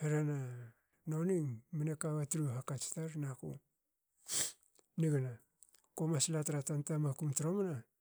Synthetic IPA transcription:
heɾana | noniŋmanekaβatɾuɦakat͡ʃtaɾnakṵ | niɡana | komaslatɾatantamakumtɾomana

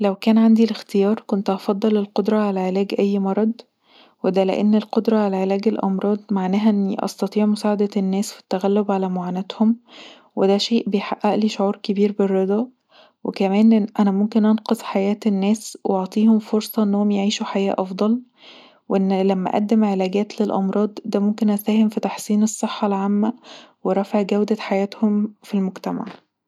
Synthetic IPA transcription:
læwkæːnʕand̪ilext̪ejɑːɾˤkont̪ʔɑfɑd̪ˤːɑlelqod̪ɾˤɑʕalæʕelæːɡʔæjːmɑɾˤːɑd̪ˤ | wed̪ælḛʔenːelqod̪ɾˤɑʕalæʕelæːɡelʔɑ̰mɾˤɑːd̪ˤmaʕnæːɦæʔenːiʔɑ̰st̪ɑt̪ˤiːʕmosæːʕad̪ænːæːsfi̥t̪ːæɣælːobʕalæmoʕaːnæt̪hom | wed̪æʃeːʔbejħaʔːæʔliʃoʕuːɾkebiːɾberːed̪ˤɑ | wekæmæːnʔænæmomkenʔɑnqɑsˤħajæːt̪enːæːswʔeʔɑʕt̪ˤiːhomfoɾsˤɑʔenːohomjeʕiːʃuħajæːʔɑfd̪ˤɑl | weʔenːlæmːæ̰ʔæ̰d̪ːæmʕelæːɡæːt̪lelʔɑ̰mɾˤɑːd̪ˤd̪æmomkenʔæsæːhemfit̪ɑħsiːnesˤːeħːɑlʕamːæweɾˤɑfeʕɡæwd̪æħajæːt̪homfilmoɡt̪æma̰ʕ

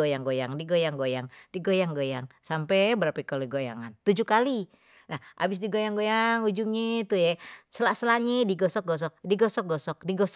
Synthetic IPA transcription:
ojaŋɡojaŋdiɡojaŋɡojaŋdiɡojaŋɡojaŋsampɛbəɾapikaloɡoja̰ŋant̪ud͡ʒukali | nahʔa̰bɪs̬diɡojaŋɡojaŋud͡ʒuŋit̪ujɛsəlasəlaɲediɡɔsɔk̚ɡɔs̬ɔk̚diɡɔsɔk̚ɡɔsɔk̚diɡɔs

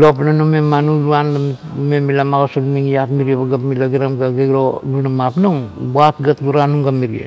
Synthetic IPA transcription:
lopnanumemanuluanlam | memilamaɡosolmiŋijapmiɾiebaɡapmilaɡiɾamɡaɡeɡɾolunamapnuŋbat̪̚ɡat̪ɡuɾanuŋɡamːiɾiḛ

